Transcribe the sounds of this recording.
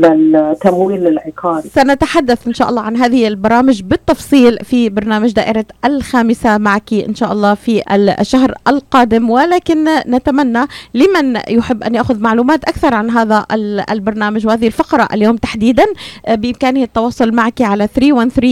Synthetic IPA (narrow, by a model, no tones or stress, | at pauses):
lɪlt̪amwiːlɪlʕɪqɑːɾisanat̪aħad̪ːaθʔɪnʃaːʔɑlːˤɑːʕanɦaːðɪhʔalbɑɾˤɑːmɪʒbɪt̪ːɑfsˤiːlfibɑɾˤnaːmɪʒd̪aːʔɪɾɑʔlxaːmɪsamaʕkiʔɪ̰nʃaːʔɑlˤːɑːfiʔa̰ʃːaɦɾʔalqɑːd̪ɪmwɪlaːkɪnːat̪amanːalɪmanjʊħɪbːʔa̰nʔaʔxʊðmaʕluːmaːt̪ʔakθɑɾˤʕanɦaːðaʔl̰lbɑɾˤnaːmaʒwhaːðɪhɪlfɑqɾˤɑʔa̰ljoːmt̪aħd̪iːd̪anbɪʔɪmkaːnɪhɪt̪ːɑwɑːsˤʊlmaʕkiʕalaθɾiːwanθɾiː